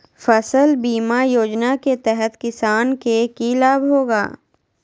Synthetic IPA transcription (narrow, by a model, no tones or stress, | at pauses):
fɐsəlbiːmajoːd͡ʒnaket̪ɛɦɛt̪kɪsaːnkekilaːbɦoːɡa̰ː